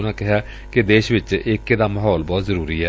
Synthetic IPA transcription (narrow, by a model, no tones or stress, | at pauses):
nãːkɪɦjaː | kɪd̪eːʃʋɪt͡ʃɪkːeːd̪aːməɦɔːlbɔːt̪zəɾuːɾiːɛː